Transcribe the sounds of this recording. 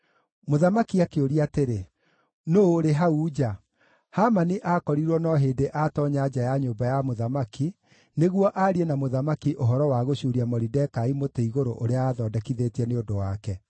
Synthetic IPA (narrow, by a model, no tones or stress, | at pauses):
moðamakiakeoɾiateɾe | noɾeɦauːd͡ʑa | hamaniʔakɔɾiɾwɔnɔɦeːdeʔatɔɲad͡ʒajaɲoːbajamoðamaki | neɣwɔʔaɾienamoðamakiʔoɦɔɾɔwaɣoɕuːɾiamɔɾidɛkaimoteiɣoɾoʔoɾeaaːðɔːdɛkiðetɛneodowakɛ